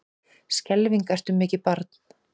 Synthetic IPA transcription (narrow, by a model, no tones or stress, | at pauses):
scɛlviŋkajr̥t̪ʏmːɪːcɪpaɾt̪n̥